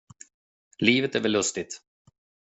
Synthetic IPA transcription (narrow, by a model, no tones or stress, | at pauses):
liːvət̪æɾvɛlːɵst̪ɪt̪